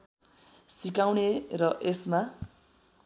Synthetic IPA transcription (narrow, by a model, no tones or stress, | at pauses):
sikawnerʌʔesma